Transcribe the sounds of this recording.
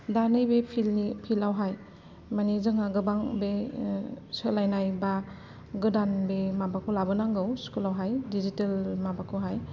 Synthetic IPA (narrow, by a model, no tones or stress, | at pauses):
danɯjbepʰilnipʰilawɦaj | manizɯŋaɡɯbaŋbe | sɯlajnajba | ɡɯdanbemabakʰulabɯnaŋɡɯwskulawɦajdizitelmabakʰuɦaj